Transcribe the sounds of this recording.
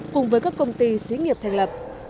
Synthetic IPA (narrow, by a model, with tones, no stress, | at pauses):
kʊ˨˩ŋ͡mvəː˨˦jkaː˦˥kːə˧wŋ͡mt̪i˧si˨˦ŋi˨˩əp̚t̪ʰa˧˩ŋlə˨˩p̚